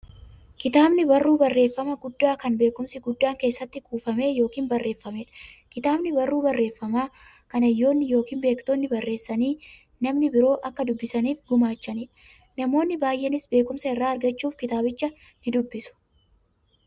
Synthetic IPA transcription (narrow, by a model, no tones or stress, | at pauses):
kɪt̪aːbnɪbɐrːuːbɐrːe̞ːfːɐmɐɡʊd̪ːaːkɐnbe̞ːkʊmsɪɡʊd̪ːaːŋke̞ːsːɐt̪ːɪkuːfɐme̞ːjo̞ːkiːnbɐrːʔe̞ːfːɐmeːᶑɐ̥kɪt̪aːbnɪbɐrːuːbɐrːe̞ːfːɐmaː | kɐnɐjːo̞ːnːɪjo̞ːkiːnbe̞ːkt̪oːnːɪbɐrːe̞ːsːɐniː | nɐmnɪbɪɾo̞ːʔɐkːɐd̪ʊbːɪsɐniːfɡʊmaːt͡ʃːɐniːᶑɐ | nɐmo̞ːnːɪbaːjʔːenɪsbe̞ːkʊmsɐɪrːaːɐɾɡɐt͡ʃːuːfkɪt̪aːbɪt͡ʃːɐ | nɪd̪ʊbːɪsʊ̥